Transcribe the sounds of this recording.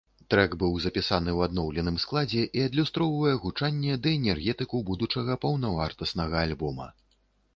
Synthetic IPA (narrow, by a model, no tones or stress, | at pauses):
t̪ɾɛɡbɨwzɐpʲisanɨwad̪nɔwlʲɛnɨmsklˠad͡zʲɛʔiɐd̪lʲust̪ɾɔwvɐjɛɣut͡ʂanʲːɛd̪ɐɛnʲɛrɣʲɛt̪ɨkubud̪ut͡ʂɐɣɐpɐwnɐvart̪ɐsnɐɣɐalʲbɔmɐ̰